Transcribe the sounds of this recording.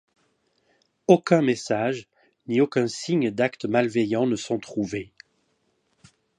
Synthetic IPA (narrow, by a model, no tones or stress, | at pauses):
okʲɛ̃mesaʒ | niokʲɛ̃siɲd̪akt̪əmalvejɑ̃nəsɔ̃t̪χuve